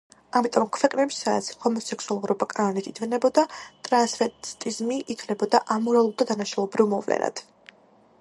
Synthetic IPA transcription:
amit̪ʼɔmkʰvɛkʼnɛbisaːt̪sʰi̥hɔmɔsɛkʰsualˠuɾɔbakʼanɔnit̪ʰid̪vnɛbɔd̪at̪ʼɾansfɛt̪t̪ʼizmiʔit̪ʰlɛbɔd̪aʔamuɾavlˠud̪ad̪anaʃalˠɔbɾivmɔvlɛ̰na̰d̪̥

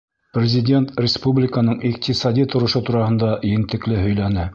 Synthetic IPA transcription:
prʲɪzʲɪdʲe̞nt̪rʲɪspublʲɪkənɤɴʔiq̚t̪ʲisɑd̪ʲit̪ŏɾɤ̆ʃot̪uɾɑhɤ̆nd̪ɑjɘ̆nt̪ɘ̆klɘɦɵ̆jlænɘ

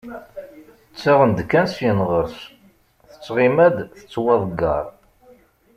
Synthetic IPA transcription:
θət͡sːiʁənd̪kːænsjənʁəɾs | θə̥t͡sːʁimæd̪θə̥t͡sːwɑðˤɡɑ̰ɾˤ

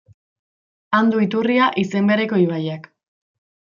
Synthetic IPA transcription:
and̪uit̪uriaʔise̞mbe̞ɾe̞ko̞iβajak

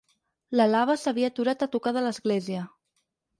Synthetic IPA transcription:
ləlaβ̞əsəβ̞iat̪uɾat̪ət̪ukaðələzɣleziə

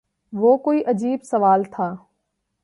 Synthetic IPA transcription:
ʋoːkoːiːʔɐd͡ʑiːbsɐʋaːlt̪ʰaː

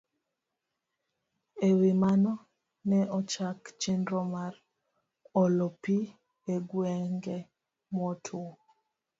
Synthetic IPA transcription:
ewimanɔ | nɛɔt͡ʃakt͡ʃendɾɔmaɾ | ɔlɔpi | eɡwɛŋɡɛ | mɔtʰu

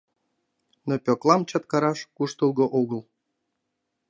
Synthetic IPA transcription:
nopʲoklˠɑmt͡ɕɑt̪̚kɑɾɑʃkuʃt̪ulˠɣŏʔuɣɤ̆lˠ

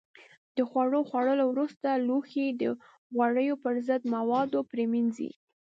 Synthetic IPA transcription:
d̪̥əxwaɽoxwaɽəlowɾust̪aluxid̪ə | ɣwaɽəjopəɾzəd̪mawɑd̪opɾeminzḭ

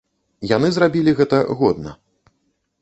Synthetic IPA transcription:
janɨzrabʲilʲiɣɛt̪ɐɣɔd̪̚nɐ̰

